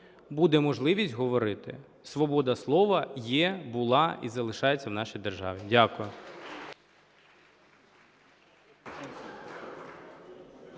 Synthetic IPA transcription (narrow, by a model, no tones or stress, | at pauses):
bud̪ɛmɔʒlˠɪʋʲisʲtʲɦɔʋɔɾɪt̪ɪ̰ | sʋɔbɔd̪ɐslˠɔʋɐjɛbʊlˠɑʔizɐlˠɪʃɑjet͡sʲːɐwnɑʃijd̪erʒɑ̰ʋʲidʲakʊjʊ